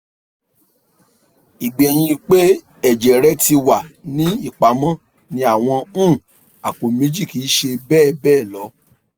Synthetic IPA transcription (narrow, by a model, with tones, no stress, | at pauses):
i˨ɡ͡bɛ˨j̃ĩ˧k͡pe˦ | ɛ˦˨d͡ʒɛ˨ɾɛ˦ti˧wa˨nĩ˦i˦˨k͡pa˨˦mɔ̃˦ | nĩ˧a˨w̃ɔ̃˧ũ˦˨ | a˨ko˨mẽ˨˦d͡ʒi˦˨ki˨˦ʃe˧bɛː˦˨bɛː˦˨lɔ˨˦